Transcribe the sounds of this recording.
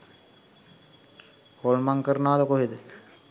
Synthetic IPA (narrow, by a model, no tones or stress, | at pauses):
holmaŋkəɾənaːd̪əkoɦed̪ə